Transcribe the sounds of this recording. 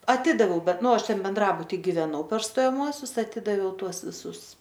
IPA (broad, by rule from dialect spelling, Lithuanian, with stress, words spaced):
ɐˈtʲɪdɐʋʲɛʊ ˈbʲɛt ˈnʊ ˈɐʃ ˈtʲɛn bʲɛnˈdrɑːbʊtʲɪ ɡʲɪʋʲɛˈnɐʊ pʲɛr stoːjɛˈmuɔsʲʊs ɐˈtʲɪdɐʋʲɛʊ ˈtuɔs ʋʲɪˈsʊs